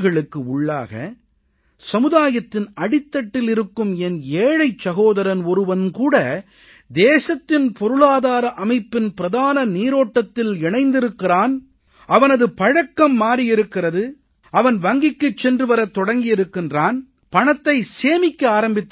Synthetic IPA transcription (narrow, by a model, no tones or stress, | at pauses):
ɣɐɭɯkːɯʊɭːa̰ːɣɐ̰ | sɐmɯðaːjɐt̪ːɪnɐɽɪt̪ːɐʈːɪlɪɾɯkːɯmɛneːɻɐɪt͡ʃsɐɣoːðɐɾɐnɔɾɯʋɐnkuːɽɐ | d̪eːsɐt̪ːɪnpɔɾɯɭaːðaːɾɐʔɐmɐɪpːɪnpɪɾɐðaːnɐniːɾoːʈːɐt̪ːɪlɛɳɐɪnd̪ɪɾɯkːɪraːn | ɐʋɐnɐðɯpɐɻɐkːɐmːaːɾijɪɾɯkːɪrɐðɯ | ɐʋɐnʋɐŋɡɪkːɯt͡ʃːɛndrɯʋɐɾɐt̪ːɔɽɐŋɡɪjɪɾɯkːɪndraːn | pɐɳɐt̪ːɐɪseːmɪkːɐaːɾɐmbɪt̪ː